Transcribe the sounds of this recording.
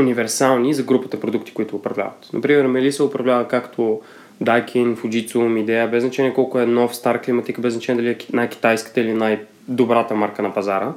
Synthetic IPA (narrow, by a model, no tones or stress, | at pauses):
univɛɾsalˠnizɐɡɾupət̪əpɾod̪uk̚t̪i̥koit̪ʊːpɾɐvlʲa̰vɐt̪nʔɐ̰pɾimɛɾmɛlisɛʊpɾɐvlʲavəkakt̪ʰo | d̪ajkʲʰinfʊd͡ʒit̪sumid̪ɛjəbɛznɐt͡ʃɛniɛkɔlˠkʊɛnɔfst̪aɾklimɐt̪ikəbɛznɐt͡ʃɛnɛd̪ɐliɛnajkʲi̥t̪ajskə̥t̪əilinaj | d̪obɾat̪əmaɾkənɐpɐzaɾə